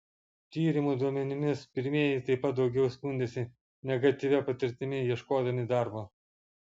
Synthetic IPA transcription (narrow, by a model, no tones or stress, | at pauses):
t̪ʲiːɾʲɪmuːd̪uɔmʲɛnʲɪmʲɪspʲɪɾʲmʲeɛjɛɪt̪ɐɪpɐt̪̚d̪ɒʊɡʲɛʊskʊnʲd̪ʲeːsʲɪ | nʲɛɡɐt̪ʲɪʋʲɛpɐt̪ʲɪɾʲt̪ʲɪmʲɪjiɛʃkoːd̪ɐmʲɪd̪ɑˑɾboː